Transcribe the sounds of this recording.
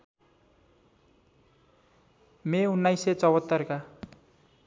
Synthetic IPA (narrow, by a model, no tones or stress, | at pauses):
meunːajset͡sʌwʌt̪ːʌrka